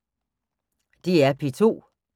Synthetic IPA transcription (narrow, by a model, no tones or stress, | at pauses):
d̥iæɐpʰit͡sʰo̝̰ː